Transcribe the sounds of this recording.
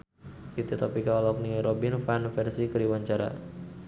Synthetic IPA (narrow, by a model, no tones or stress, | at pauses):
kit̪et̪ɔpikalɔk̚niɾɔbinfanfɛrsikəɾiwaɲt͡ʃaɾa̰